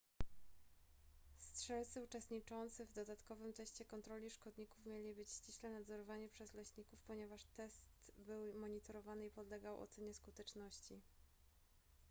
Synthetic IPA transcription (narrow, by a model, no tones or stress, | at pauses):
stʂɛlt̪sɘut͡ʂɛst̪ɲit͡ʂɔnt̪sɘvd̪ɔd̪at̪kɔvɘmt̪ɛɕt͡ɕɛkɔnt̪ɾɔlʲiʂkɔd̪ɲikufmʲjelʲibɘt͡ɕɕt͡ɕiɕlɛnad̪zɔɾɔvaɲipʂɛzlɛɕɲikufpɔɲɛvaʂt̪ɛst̪bɘwmɔɲit̪ɔɾɔvanɘipɔd̪lɛɡawʔɔ̰t̪sɛɲɛskut̪ɛt͡ʂnɔɕt͡ɕi